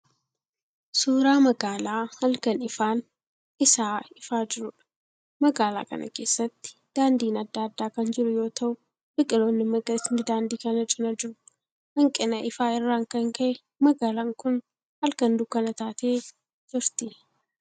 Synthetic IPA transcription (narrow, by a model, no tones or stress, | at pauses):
suːɾaːmɐɡaːlaːhɐlkɐnɪfaːn | ɪsaːɪfaːd͡ʒɪɾʊᶑɐ̥ | mɐɡaːla̰ːkɐ̰nɐ̰ke̞ːsːɐt̪ːɪ̥ | d̪̥aːnd̪iːnɐd̪ːaːd̪ːaːkɐnd͡ʒɪɾʊjo̞ːt̪ʰɐʔʊ | bɪkʼɪlo̞ːnːɪmɐɡɐɪnɪd̪aːnd̪iːkɐnɐt͡ʃʼɪnɐd͡ʒɪɾʊ̥ | hɐŋkʼɪnɐʔɪfaːɪrːaːŋkɐŋkɐʔɛ | mɐɡaːlaːŋkʊn | hɐlkɐnd̪ʊkːɐnɐt̪aːt̪eː | d͡ʒɪɾt̪ɪ